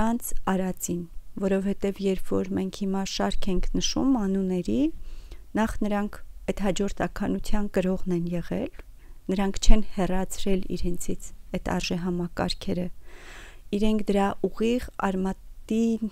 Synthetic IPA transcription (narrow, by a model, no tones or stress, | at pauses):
ɑnt͡sʰɑɾɑt͡sinvɔɾɔvhɛt̪ɛvjɛɾpʰvɔɾmɛŋkʰhimɑʃɑɾkʰɛŋkʰnəʃṵmɑnunɛɾi | nɑχnəɾɑŋkʰɛt̪hɑd͡ʒɔɾt̪ʰɑkʰɑnut͡sʰjɑnkəɾɔʁnɛnjɛʁɛ̰l | nəɾɑŋkʰt͡ʃʰɛnhɛrɑt͡sʰɾɛlḭɾɛnt͡sʰit͡sʰɛt̪ʰɑ̰ɾʒɛɦɑmɑkɑ̰ɾkʰɛɾə | iɾɛŋkʰd̪əɾɑʔuʁiʁɑ̰ɾmɑt̪in